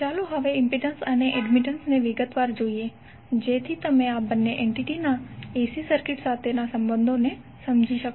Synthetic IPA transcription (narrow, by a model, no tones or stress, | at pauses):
t͡ʃaːluɦəʋeɪ̃mpiɖənsəneʔɛɖmɪʈənsneʋɪɡət̪ʋaːɾd͡ʒoːie | d͡ʒeːt̪ʰit̪əmẽaːbənːeʔeɳʈiʈinaeːsisəɾkɪʈsaːt̪ʰenasə̃mbə̃nd̪ʱone | sɐmd͡ʒʱiʃək